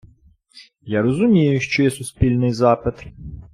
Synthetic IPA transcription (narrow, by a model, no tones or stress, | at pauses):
jaɾɔzʊmʲijʊʃt͡ʃɔjɛsʊspʲilʲnɪjzɑpɪt̪